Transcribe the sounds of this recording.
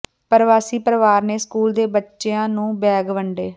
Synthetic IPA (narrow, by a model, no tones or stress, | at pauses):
pəɾʋaːsiːpəɾəʋaːɾneːskuːld̪eːbətːʃeãːnũːbɛːɡʋəɳɖeː